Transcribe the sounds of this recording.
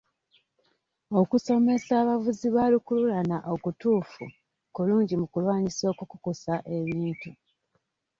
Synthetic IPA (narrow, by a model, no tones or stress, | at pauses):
o̞kuso̞me̞saːβavuziβalikululanaʔo̞kutuːfṵ | kuluːɲɟimukulwaːɲiso̞ːkukukusaʔe̞βiːntu